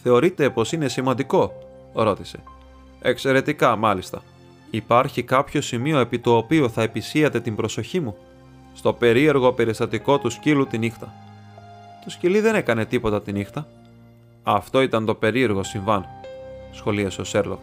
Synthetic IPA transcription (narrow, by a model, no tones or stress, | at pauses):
θe̞o̞ɾit̪e̞po̞sine̞simɐnd̪iko̞ | ɾo̞t̪ise̞̥ | e̞kse̞ɾe̞t̪ikɐmɐlist̪ɐ | ipɐɾçikɐpço̞simio̞e̞pit̪o̞ːpio̞θɐepisiɐt̪e̞t̪imbɾo̞so̞çimu | st̪o̞pe̞ɾie̞ɾɣo̞pe̞ɾist̪ɐt̪iko̞t̪uscilut̪inixt̪ɐ | t̪o̞sciliðe̞ne̞kɐne̞t̪ipo̞t̪ɐt̪inixt̪ɐ | ɐft̪o̞it̪ɐnt̪o̞pe̞ɾie̞ɾɣo̞siɱvɐnsxo̞liɐsose̞ɾlo̞̰k